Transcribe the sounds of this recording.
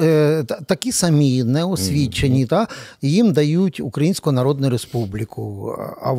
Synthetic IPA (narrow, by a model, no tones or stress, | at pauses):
t̪ɐkʲisɐmʲinɛɔsʲʋʲit͡ʃenʲit̪ajimd̪ɐjutʲukɾɐjinʲsʲkʊʊnɐɾɔd̪̚nʊjʊɾespublʲɪkʰʊɐ̰